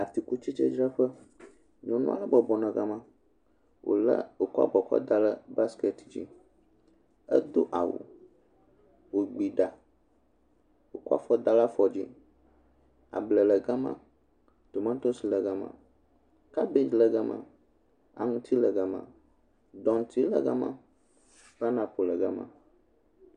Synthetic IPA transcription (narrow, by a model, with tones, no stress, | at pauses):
a˨t̪i˨ku˦t͡ʃi˦t͡ʃɛ˦d͡ʒɾa˦ɸə˦ | ɲɔ̃˨nṵ̃˦a˦la˦bɔ˨bɔ˨nã˨ɡa˦mã˦ | wʔo̰˨lə̰˦o˨ku˦a̰˦bɔ˨kɔ̰˦d̪a˦lə˦ba˦ske˨t̪d͡ʑḭ˦ | ə̰˦d̪o˦ʔa˨wṵ˨ | wo˨ɡ͡bi˨ɖa˨ | wo˨ku˦a̰˦fɔ˦d̪a˦la˦fɔ˨d͡ʑi˦ | a̰˨blə˨lə˨ɡa˦mã̰˦ | t̪o˨mã˦n˦t̪o˦si˨lə˨ɡa˦mã̰˨ | ka˦be˦d͡ʒlə˨ɡa˦mã̰˨ | a̰˨ŋũ˦t̪ʰi˦lə˨ɡa˨˦mã̰˨ | ɖɔ̃˨nt̪ʰi˦lə̰˨ɡa̰˦mã̰˦ | b̥a˦nã˨po˨lə˨ɡa˦mã̰˦